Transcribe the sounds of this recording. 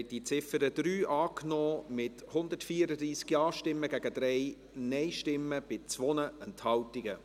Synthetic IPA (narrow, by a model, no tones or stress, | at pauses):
t̚d̥it͡sɪfəɾəd̥̪ɾyːʔɑːknɔːmɪthʊnd̪ətfiːəɾədɾiːsɡiɑːʃtɪmːəɡæɡ̥əd̪ɾɛɪ | nɛɪʃtɪmːəb̥ɪt͡sʋɔnəɛnthɑltɪɡ̥ə